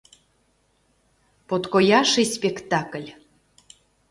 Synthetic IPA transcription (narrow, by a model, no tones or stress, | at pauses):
pot̪kojɑʃɨspʲekt̪ɑkəlʲ